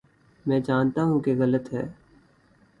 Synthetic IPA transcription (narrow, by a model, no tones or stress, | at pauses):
mɛ̃ːd͡ʒaːnt̪aɦũkeɣɐlət̪ɦɛː